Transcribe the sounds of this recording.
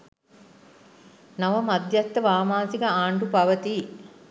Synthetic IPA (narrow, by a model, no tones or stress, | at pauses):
nɐʋɐmɐd̪jɐt̪ːɐʋaːmaːsikɐaːɳɖupɐʋɐt̪i